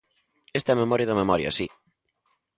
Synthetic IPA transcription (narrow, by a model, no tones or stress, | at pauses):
est̪ɐɛmemɔɾjɐðɐmemɔɾjɐ̰si